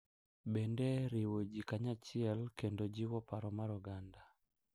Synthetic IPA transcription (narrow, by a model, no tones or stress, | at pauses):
bendeɾɪwod͡ʒikaɲat͡ʃɪɛlkendod͡ʒiwɔpaɾɔmaɾɔɡanda